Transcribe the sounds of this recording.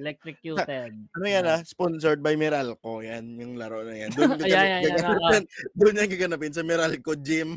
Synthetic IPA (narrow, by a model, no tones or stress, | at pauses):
lɛk̚t̪ɾɪjusɐɛʔɐnojanasponsoɹd̪̚bɐjmɪɾalko̞janjʊŋlɐɾoʔnɐjand̪ʊnkɐɐɡɐnaɛnd̪ʊnjɐŋkɐɡɐnapɪnsɐmɛɾalkod͡ʒɪm